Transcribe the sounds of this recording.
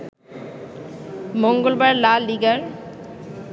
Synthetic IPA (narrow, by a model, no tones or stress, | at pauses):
moŋɡolbaɾlaliɡəɾ